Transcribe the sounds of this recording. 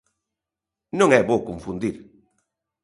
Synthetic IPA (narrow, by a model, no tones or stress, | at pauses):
nõŋɛβokõɱfũnd̪iɾ